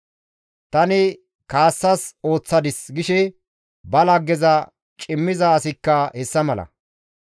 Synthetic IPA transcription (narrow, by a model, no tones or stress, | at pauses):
t̪ɐnɪ | kaːsːɐso̞ːt͡sːɐd̪ɪsɡɪʃɛ | bɐlɐɡːɛzɐ | t͡ʃʼɪmːɪzɐːsɪkːɐhɛsːɐmɐlɐ̰